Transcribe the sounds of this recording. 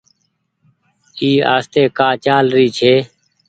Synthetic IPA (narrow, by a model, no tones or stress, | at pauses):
iːa̰ːst̪eːkaːt͡ʃaːlɾiːt͡ʃʰeː